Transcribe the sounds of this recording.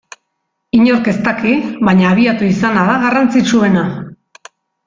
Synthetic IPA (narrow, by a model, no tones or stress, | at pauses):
iɲo̞ɾke̞st̪akiβaɲaːβ̞iat̪uisanaðaɣarant͡sit͡ʃue̞na